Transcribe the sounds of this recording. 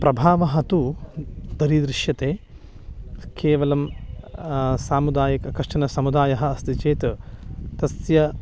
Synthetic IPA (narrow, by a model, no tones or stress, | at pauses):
pɾɐbʱaːʋɐɦɐt̪u | d̪ɐɾid̪ɾɪʃjɐt̪eː | keːʋɐlɐm | saːmud̪aːjɐkɐkɾɐʂʈɐnɐsɐmud̪aːjɐɦɐɐst̪it͡ʃeːt̪t̪ɐsjɐ